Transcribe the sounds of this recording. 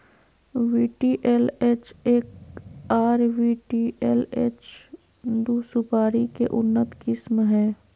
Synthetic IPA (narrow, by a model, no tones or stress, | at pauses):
ʋiːʈiːʔeleːt͡ʃeːkaːɾʋiʈiːʔeːlḛːt͡ʃ | d̪uːsʊpaːɾikeʔʊnːət̪kɪsmɦɛː